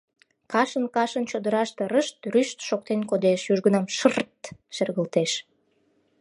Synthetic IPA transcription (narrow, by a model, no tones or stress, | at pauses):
kɑʃənkɑʃənt͡ɕod̪əɾɑʃt̪eɾəʃt̪ryʃt̪ʃok̚t̪enkod̪eʃjyʒɣənɑmʃərt̪ʃerɣəlt̪eʃ